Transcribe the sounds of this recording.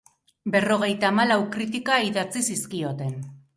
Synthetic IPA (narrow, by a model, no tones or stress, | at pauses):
be̞ro̞ɣ̞e̞jt̪aːmalawkɾit̪ikaiðat͡sisiskio̞t̪e̞n